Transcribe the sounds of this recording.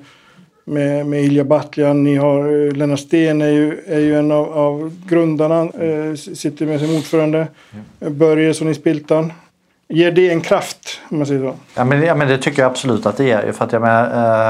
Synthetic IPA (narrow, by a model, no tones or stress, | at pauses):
mɛmɛɪljabat̪lɪanːɪɦaɾlɛnaʂt̪eːnæɾjɵæɾjɵɛnːavavɡɾɵnd̪aɳa | sɪt̪ːəɾmɛs̬ɔmuːɖfœːɾand̪ə | bœɾjaʂɔnɪspɪlt̪an | jeːɖɛɛnkʰɾaft̪ɔmːansɛjːəʂoːamɛnjɑmɛnd̪ɛt̪ʰʏkːəɾjaab̥sɔlʉ̟ːt̪at̪̚d̪ɛæ̰ɾjɵ̰fœɾat̪jameːnaɾ